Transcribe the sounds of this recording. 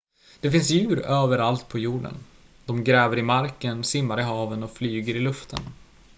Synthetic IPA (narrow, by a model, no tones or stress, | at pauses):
d̪̥ɛfɪnsjʉ̟ːɾøːvəɾalt̪̚pʰɔjuːɖə̰n | d̪̥ɔmɡɾɛːvəɾɪmaɾkənsɪmːaɾɪɦɑːvənɔflyːɡəɾɪlɵft̪ʰən